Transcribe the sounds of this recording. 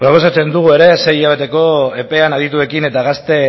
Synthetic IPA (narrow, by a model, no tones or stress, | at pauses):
pɾo̞po̞sat͡se̞nd̪uɣ̞ue̞ɾe̞se̞jiʎaβ̞e̞t̪e̞ko̞e̞pe̞anaðit̪ue̞kine̞t̪aɣast̪e̞